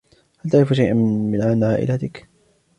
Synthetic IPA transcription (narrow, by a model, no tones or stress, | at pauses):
halt̪aʕɾɪfʃajʔanmɪnʕanʕaːʔɪ̰lat̪ɪk